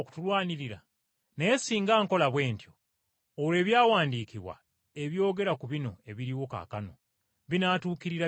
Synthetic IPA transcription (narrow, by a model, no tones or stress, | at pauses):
ku̥tulwaːniɾiɾa̰ | neːsiːŋɡaːŋko̞laβwe̞ːntjo̞ | oɾe̞ːβjaːwaːndiːkiβwa̰ | e̞βjo̞ːɡe̞ɾakuβino̞e̞βiɾiwo̞ka̰kano̞ | βinaːtuːkiɾiɾa